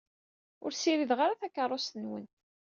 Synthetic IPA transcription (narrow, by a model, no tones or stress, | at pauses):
ʊ̰ɾsiɾiðʁaɾaθækːərˤːost̪ənwə̰n